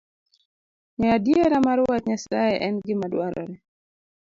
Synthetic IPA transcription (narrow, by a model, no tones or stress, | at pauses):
ɲɛadjeɾamaɾwatɲasaɛʔɛnɡɪmadwaɾɔ̰ɾɛ